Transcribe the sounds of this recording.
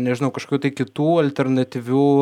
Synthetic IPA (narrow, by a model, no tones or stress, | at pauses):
nʲɛʒʲɪnɐʊkɐʃkokʲuːt̪ɐɪkʲɪt̪uːɐlʲt̪ʲɛrnɐt̪ʲiʋʲuː